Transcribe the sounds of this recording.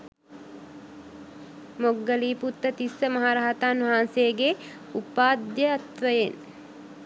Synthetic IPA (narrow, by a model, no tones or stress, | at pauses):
moɡːəliːput̪ːət̪isəmɐɦaːɾaɦat̪aːnʋɐɦaːnsejːɡe | upaːd̪jəɐt̪ʋəjen